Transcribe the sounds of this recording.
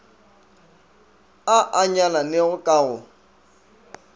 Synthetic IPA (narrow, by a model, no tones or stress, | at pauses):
aʔaɲananeɣʊkʼaːɣʊ